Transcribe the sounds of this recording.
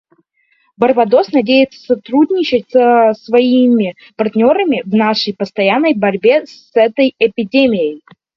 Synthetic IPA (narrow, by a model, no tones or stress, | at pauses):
bərbɐd̪o̞snɐdʲejɪt̪sə̥sɐt̪ɾudʲnʲɪt͡ɕɪtʲsəsvɐimʲɪ | pɐrt̪ʲnʲo̞ɾəmʲɪvnaʂəjpəst̪ɐjanːəjbɐɾʲbʲesɛt̪əjɪpʲɪdʲemʲɪjəj